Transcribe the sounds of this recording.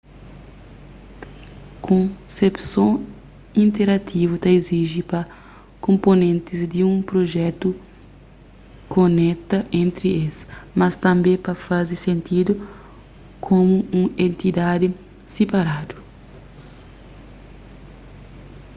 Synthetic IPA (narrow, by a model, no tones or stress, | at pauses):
kʰõsepsõ | ĩnt̪eɾat̪ʰivut̪ɐeziʒipɐ | kõmponẽnt̪ɪzd̪iũpɾoʒɛt̪u | konɛt̪ɐʔẽnt̪ɾiesmɐst̪ɐ̃mbẽpɐfazisẽnt̪id̪ʊ | kʰõmuũẽnt̪id̪ad̪ɪ | sepaɾad̪u